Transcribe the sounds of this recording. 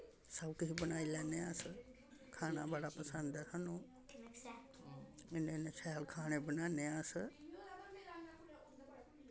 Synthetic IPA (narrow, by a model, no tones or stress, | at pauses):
səʊkəɦibənaːiːlɛːneːaːsə | kʰaːnãːbaɽaːpəsə̃nd̪ɛːsənũː | ɪnẽːnet͡ʃʰɛːlkʰaːneːbənaːneːãːsə